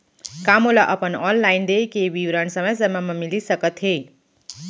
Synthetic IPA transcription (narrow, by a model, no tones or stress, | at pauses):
kamolaʔʌpʌnɔnlajnd̪ekebiwɾansʌmʌjsəmamʌmilisʌkʌt̪ɦe